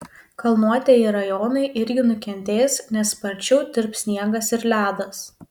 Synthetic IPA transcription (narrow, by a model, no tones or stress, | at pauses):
kɐlˠnuɔt̪ʲejiɾɐjoːnɐɪʔɪɾʲɡʲɪnʊkʲɛnʲt̪ʲeːsnʲɛspɐɾʲt͡ʃʲɛʊd̪ʲɪɾpsʲnʲiɛɡɐsɪɾlʲæːd̪ɐs